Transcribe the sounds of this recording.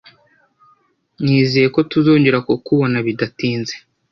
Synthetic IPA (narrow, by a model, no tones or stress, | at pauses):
ɲiːzije̞ko̞tuzoːɲɟeɾakukuβo̞naβidatiːnze